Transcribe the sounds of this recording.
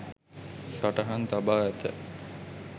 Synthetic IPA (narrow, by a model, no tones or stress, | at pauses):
ʃaʈaɦant̪abaːɛt̪ə̰